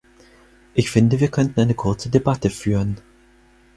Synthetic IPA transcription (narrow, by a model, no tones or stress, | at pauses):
ʔɪçfɪndəviːɐkʰœntn̩ʔaɪnəkʰʊɐt͡sədebatəfyːʁən